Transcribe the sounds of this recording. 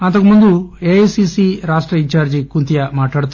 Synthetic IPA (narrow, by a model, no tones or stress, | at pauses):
ɐnt̪ɐkumund̪ueɐjsisiɾaːʂʈɾɐiɲt͡ʃaːɾd͡ʒikunt̪ijɐmaːʈːaːɽut̪ː